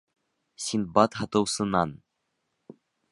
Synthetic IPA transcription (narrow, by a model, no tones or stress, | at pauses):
sʲinbɑt̪ɦɑt̪ɤ̆wsɤ̆nɑn